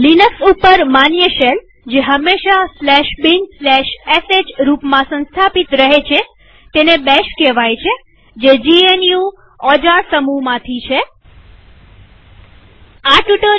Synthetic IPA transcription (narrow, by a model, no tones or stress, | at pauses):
linəksupəɾmanjəʃel | d͡ʒeɦəmːeʃaslɛʃbinslɛʃesed͡ʒɾupmãsə̃nst̪ʰapit̪ɾəɦet͡ʃʰe | t̪enebɛʃkeʋajt͡ʃʰe | d͡ʒed͡ʒienju | ɔd͡ʒasəmumãt̪ʰit͡ʃʰe | aʈuʈo